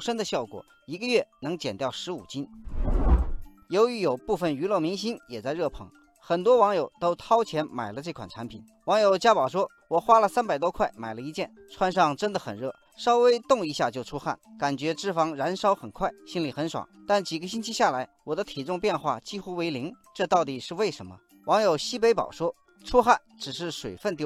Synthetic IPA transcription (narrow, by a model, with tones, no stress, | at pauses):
ʂə˥nd̪ə˨ɕjɑ˥˩ʊkwɔ̰˨˩˦ | i˧˥ɡə˧ɥɛ˥˩nɤ˧˥ŋt͡ɕjɛ˨˩nt̪jɑ˥˩ʊʂɻ̩˧˥ṵ˨˩t͡ɕi˥n | jo˧˥ʊy˧˥jo˨˩ʊpu˥˩fə˩ny˧˥lɤ˥˩mi˧˥ŋɕi˥njɛ˨˩t͡sa˥˧ɪɻɤ˥˩pʰɤ̰˧˥ŋ | xə˨˩nt̪wɔ˥wɑ˧˥ŋjo˨˩ʊt̪o˥ʊt̪ʰɑ˥ʊt͡ɕʰjɛ˧˥nma˨˩ɪlə˦ʈ͡ʂɤ˥˩kʰwa̰˨˩nʈ͡ʂʰa˧˥npʰḭ˨˩˦n | wɑ˧˥ŋjo˨˩ʊt͡ɕja˥pɑ˨˩ʊʂwɔ˥ | wɔ˨˩xwa˥lə˨sa˥npa˨˩ɪt̪wɔ˥kʰwa˥˩ɪma̰˨˩ɪlə˦i˧˥t͡ɕjɛ˥˩n | ʈ͡ʂʰwa˥nʂɑ˥˧ŋʈ͡ʂə˥nd̪ə˨xə̰˨˩nɻɤ˥˩ | ʂɑ˥ʊwe˥ɪt̪ʊ˥˧ŋi˧˥ɕja˥˧t͡ɕjo˥˩ʊʈ͡ʂʰu˥xa̰˥˩nka˨˩nt͡ɕɥɛ˧˥ʈ͡ʂɻ̩˥˩fɑ˧˥ŋɻa˧˥nʂɑ˥ʊxə˨˩nkʰwa˥˩ɪɕi˥nli˨˩xə˧˥nʂwɑ̰˨˩˦ʊt̪a˥˩nt͡ɕi˨˩ɡə˦ɕi˥nt͡ɕʰi˥ɕja˥˩la˧˥ɪwɔ˨˩d̪ə˦t̪ʰi˨˩ʈ͡ʂʊ˥˧ŋpjɛ˥˧nxwa̰˥˩t͡ɕi˥xu˥we˧˥ɪli˧˥ŋ | ʈ͡ʂɤ˥˧t̪ɑ˥˩ʊt̪i˨˩ʂɻ̩˥˧we˥˩ɪʂə˧˥nmə̰˧ | wɑ˧˥ŋjo˨˩ʊɕi˥pe˧˥ɪpɑ̰˨˩ʊʂwɔ˥ | ʈ͡ʂʰu˥xa˥˩nʈ͡ʂɻ̩˨˩ʂɻ̩˥˩ʂwe˨˩ɪfə˥˧nt̪i˥˧